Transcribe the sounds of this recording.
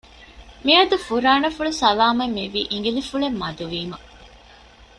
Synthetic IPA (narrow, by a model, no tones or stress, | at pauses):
miɐd̪ufuɾaːnɐfuɭusɐlaːmɐmːiʋḭːʔiŋɡilifuɭemːɐd̪uʋiːmɐ